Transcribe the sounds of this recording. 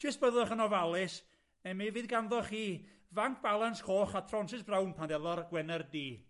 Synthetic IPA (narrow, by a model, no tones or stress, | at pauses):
tʰɪsb̥əðˠɛχənɔvalˠɪs | nɛmiviːðɡanðɔχiː | vaŋkʰb̥alˠanskʰoːχatʰrɔnsɪsbrawnpʰandɛlˠɔrɡwɛnərdiː